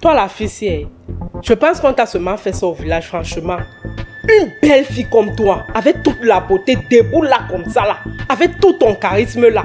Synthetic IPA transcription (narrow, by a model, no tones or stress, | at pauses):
t̪walafisjɛʒ̥əpãskɔ̃t̪asəmãfɛsãovilaʒfɾãʃəmãynbɛlfikɔmt̪waavɛk̚t̪ut̪labot̪ed̪ebulakɔmsalaavɛkt̪ut̪ɔ̃kaʁisməla